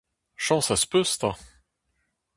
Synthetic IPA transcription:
ʃɑ̃saspøst̪a

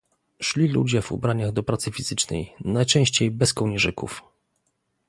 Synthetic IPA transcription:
ʂlʲilṵd͡ʑɛvṵbɾaɲaɣd̪ɔpɾat̪sɘfʲiz̥ɘt͡ʂnɛ̰jnajt͡ʂɛ̃w̃ɕt͡ɕejbɛskɔwɲɛʐɘkṵf

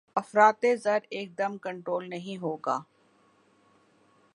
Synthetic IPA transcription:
ɐfɾaːt̪ezɐɾeːk̚d̪ɐmkɐ̃ɳʈɾoːlnɐɦĩɦoːɡaː

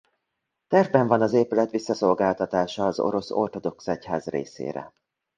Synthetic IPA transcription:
t̪ɛrvbɛɱvɒnɒzeːpylɛt̪ʋisːɒso̞lɡaːlt̪ɒt̪aːʃɒːzo̞̰ɾo̞so̞̰rt̪o̞d̪o̞ksɛcha̰ːzrḛːsḛːɾɛ̰

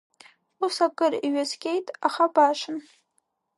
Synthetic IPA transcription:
usakʼɨriɥazkʲʼejtʼaχabaʂɨn

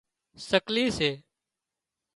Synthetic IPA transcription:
səkliːseː

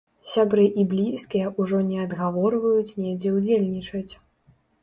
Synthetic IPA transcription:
sʲabɾɨʔiblʲiskʲijɛʔuʐɔnʲɛɐd̪ɣavɔrvɐjut͡sʲnʲɛd͡zʲɛwd͡zʲelʲnʲit͡ʂɐt͡sʲ

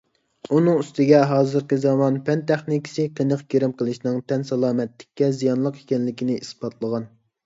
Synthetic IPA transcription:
unɨŋyst̪ɪɡʲɛɦɑːzɨɾkʲizɑmɑnpʰɛnt̪ʰæχnɪkʲi̥sɨqʰənəqɡʲeɾɪmqʰəlˠɨʃnɨŋt̪ʰɛnsɛlˠɑːmɛt̪lɪ̥kʲːɛzijɑnlˠəqi̥kʲɛnlɪkʲinɪisb̥ɑt̪ʰlˠəʁɑn

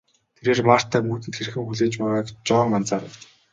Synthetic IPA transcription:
t̪ʰeɾeːrmar̥t̪ʰːæːmuːt̪ɘ̆nt̪xerxɘ̆ŋxuɮeːt͡ɕpæːʁaːkt͡ɕɔːmant͡saːɾəwt̪

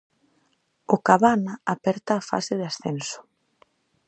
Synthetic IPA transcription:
ʊkaβanaapɛɾt̪aːfa̰sɪðɪasθɛnsʊ̥

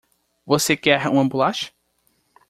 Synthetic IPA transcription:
vosekɛɾũɐ̃mbulaʃɐ̥

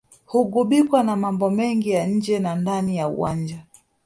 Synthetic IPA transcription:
huɡuɓikwanamambɔmɛŋɡijaɲ̩d͡ʒɛnandanijaṵwa̰nd͡ʒa

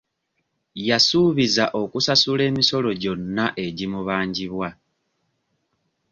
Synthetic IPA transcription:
jasuːβizaʔo̞kusasule̞ːmiso̞lo̞ɟo̞nːaʔe̞ɟimuβaːɲɟiβwa

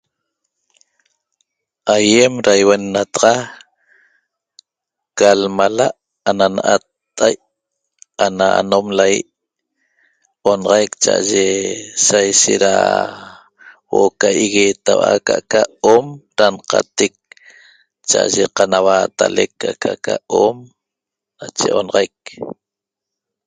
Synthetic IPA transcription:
ajemɾajwenːat̪ɑʁɑ | kalmalaʔ | ananaʔat̪ːajʔ | anaa̰nomlajḭʔ | onɑʁɑjkt͡ʃa̰ʔa̰ʒesajʃeʔɾa̰ | wokaʔiɣet̪awa̰kaʔkaomɾanqat̪ek̚ | t͡ʃaʔa̰ʒeqanawat̪alekːakaʔkaom | nat͡ʃeʔonɑʁajk̚

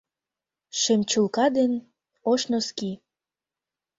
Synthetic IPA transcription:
ʃemt͡ɕulkɑd̪en | oʃnoski

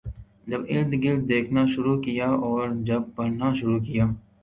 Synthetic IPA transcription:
d͡ʒɐbɪld̪ɡɪlʈ̚d̪eːkʰnaʃʊɾukijaːʔɔːɾd͡ʒɐb̚ːɐɽnaʃʊɾuːkijaː

